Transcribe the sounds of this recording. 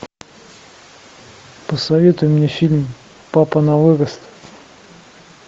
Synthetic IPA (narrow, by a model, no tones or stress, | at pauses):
pəsɐvʲe̞t̪ʊjʊmnʲefʲilʲm | papənɐvɨɾəst̪